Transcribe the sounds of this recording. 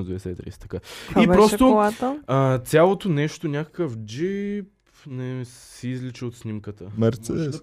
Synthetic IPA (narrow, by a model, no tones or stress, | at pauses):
d̪vɛd̪ɛsɛit̪ɾḭsɛ̥t̪ɐ̥kaibpɾɔst̪olˠat̪əət̪sʲalˠot̪onɛʃt̪onʲakə̥kəfd͡ʒip | nɛ | ɛːzlit͡ʃɛot̪snʲimkət̪əmɛɾt̪sɛd̪ɛs